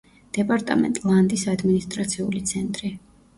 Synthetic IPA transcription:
d̪̥ɛpʼaɾt̪ʼa̰mɛ̰nt̪ʼlˠand̪isad̪minist̪ʼɾat̪sʰiulit̪sʰɛnt̪ʼɾi

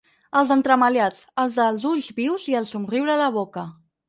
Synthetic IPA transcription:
əlˠzənt̪ɾəməljat͡səlˠzðəlˠzuʎzβiwziəlˠsumriwɾələβ̞okə

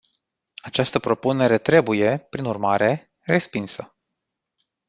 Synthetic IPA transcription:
at͡ʃast̪əpɾo̞pune̞ɾe̞t̪ɾe̞buje̞pɾinurmaɾe̞ | re̞spinsə

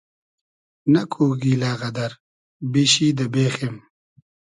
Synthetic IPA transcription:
nɐkʰuːɡiːlaːɣɐd̪ɐɾ | biɕiːd̪ɐbeːxem

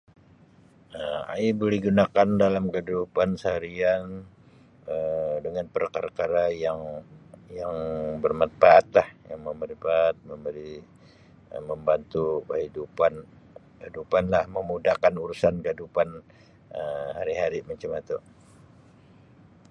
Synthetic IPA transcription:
əma̰ibolɛhɡunakandalamkədupansaɾian | ədəŋanpərkaɾakaɾajaŋjaŋbərmanfaat̪̚lahjaŋməməɾfat̪̚məmbəɾi | əməmbant̪ukəɦidupan | khidupanlahməmudahkanuɾusankəidupan | əhaɾiɦaɾimat͡ʃamat̪uʔ

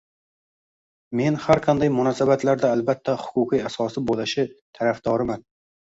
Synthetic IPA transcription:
me̞nhaɾqʰɑnd̪ajmʊnɒsabat̪laɾd̪aːlbat̪ʰːahʊ̥kʰʊqʰijasɒsɪbolɪʃɪt̪ʰaɾafd̪ɒɾɪman

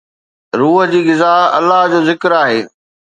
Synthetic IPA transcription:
ɾuːɦd͡ʑiːɡɪzaːɦɐ̰lːaɦd͡ʑoːzɪkɾaːɦeː

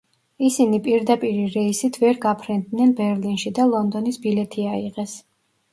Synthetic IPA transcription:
isinipʼiɾd̪apʼiɾiɾɛisit̪ʰvɛɾɡapʰɾɛnd̪nɛnbɛɾlinʃid̪alˠɔnd̪ɔnisbilɛt̪ʰiaiʁɛs

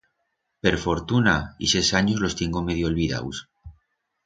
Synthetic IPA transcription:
pe̞ɾfo̞ɾt̪unaḭsesaɲozlo̞st̪eŋɡomeð̞jolβiða̰ws

